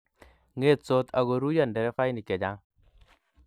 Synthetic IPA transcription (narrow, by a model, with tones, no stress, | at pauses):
ŋe˦t̪̚so˦t̪ʰa˨ɡo˨ɾu˦ja˦˨ndɛ˨ɾɛ˦fa˦jni˨kɛ˨d͡ʒa˦ŋ